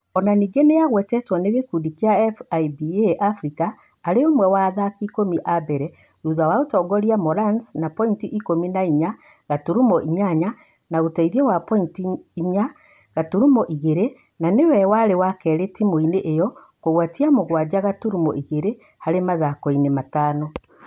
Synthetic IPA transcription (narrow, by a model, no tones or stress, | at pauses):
ɔnaniːɡeneaɣwɛtɛtwɔneɣekudikeaɛfaibieʔafɾikaː | ɾeomwɛwaːðakikomiʔabɛɾɛ | ɾuðawaotɔɡɔɾiamɔɾansnapɔintiʔikominaiɲa | ɣatuɾumɔʔiɲaɲa | naotaiðiɛwapɔintiiɲa | ɣatuɾumɔʔiɣeɾe | nanewɛwaɾewakɛɾetimoineʔejɔ | koɣwatiamoɣwad͡ʑaɣatuɾumɔ̰ʔiɣeɾe | haɾemaðakoinemataːnɔ